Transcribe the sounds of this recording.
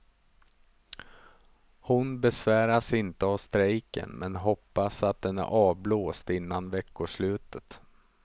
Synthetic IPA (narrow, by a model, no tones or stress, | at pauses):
hʊnbɛsvæːɾasɪnt̪əavst̪ɾɛjkə̰nmɛnɦɔpːasat̪̚d̪ɛnæ̰ɾʔɑːvbloːst̪ɪnːanvɛkːʊʂlʉ̟ːt̪ət̪